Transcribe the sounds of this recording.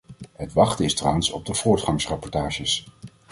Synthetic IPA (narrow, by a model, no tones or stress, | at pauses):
ɦətʋɑχtəɪstrawənsɔb̚dəv̥ʊːɹtχɑŋsrɑpɔɹtaːʒəs